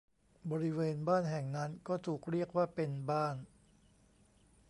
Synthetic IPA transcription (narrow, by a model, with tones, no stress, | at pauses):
bɔː˧ɾi˦˥weː˧nbaː˥˩nɦɛ˨˩ŋna˦˥nkɔː˥˩t̪ʰuː˨˩k̚ɾi˥˩ək̚waː˥˩pe˧nbaː˥˩n